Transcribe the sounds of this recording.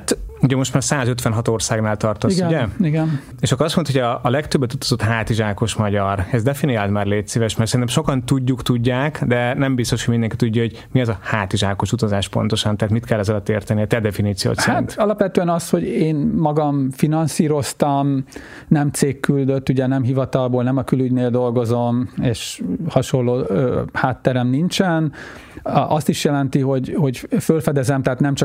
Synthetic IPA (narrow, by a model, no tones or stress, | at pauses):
at̪uɟɛmo̞ʃt̪maːrsaːzøt̪ʋɛnɦɒt̪o̞rsaːɡnaːlt̪ɒrt̪oisɡɛiɡɛn | eːʃɒkːɾɒst̪monahojɒːlɛkt̪øbːɛt̪ut̪ɒ̥zo̞t̪ɦaːt̪iʒaːko̞ʃmɒɟɒrɛzd̪ɛfiniaːlt̪maːrleːt̪siːvɛʃmɛrt̪sɛɾint̪ɛmʃo̞kɒnt̪uɟːukt̪uɟːaːkd̪ɛnɛmbist̪o̞ʃhojmind̪ɛŋkit̪uɟːɒɦo̞ɟ | miɛzɒhaːt̪iʒaːko̞ʃut̪ɒzaːʃpo̞̰nt̪o̞ʃɒnt̪ɛɦaːt̪mit̪kɛlːɛzɒlɒt̪ːeːrt̪ɛniɛt̪ɛd̪ɛfiniːt̪sio̰ːt̪sɛaɾḭnt̪ɒlɒpʋɛt̪øɛnɒsho̞ɟeːnmɒɡɒmfinɒnsiːɾo̞st̪ɒm | nɛmt̪seːkːyld̪øt̪ːuɟɛnɛmɦivɒt̪ɒlboːlnɛmɒkylyɟneːld̪o̞lɡo̞zo̞meːʃhɒʃo̞lːoːhaːt̪ːɛɾɛmnint͡ʃɛn | ʔɒst̪iʃjɛlɛnt̪iɦo̞ɟho̞ɟfølfɛd̪ɛzɛmt̪aɦːt̪nɛmt͡ʃɒ